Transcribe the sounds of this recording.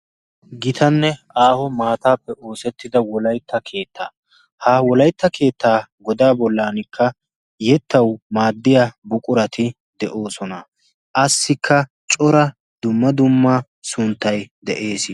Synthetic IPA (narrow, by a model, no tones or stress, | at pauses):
ɡɪt̪ʰɐnːɛ | aːhɔmaːt̪aːpːɛʔo̞ːsɛt̪ːɪd̪ɐwɔlɐjt̪ːɐkʰe̞ːt̪ʰːaː | hawɔlɐjt̪ːɐkʰe̞ːt̪ːaːɡɔd̪aːbɔlːaːnɪkʰːɐ | jɛt̪ːɐwmaːd̪ːɪjabʊkʼʊɾɐt̪ɪ | d̪ɛʔo̞ːsɔnɐ | ʔɐsːɪkʰːɐ | t͡ʃʼɔɾɐ | d̪ʊmːɐd̪ʊmːɐ | sʊnt̪ːɐjd̪ɛʔe̞ːs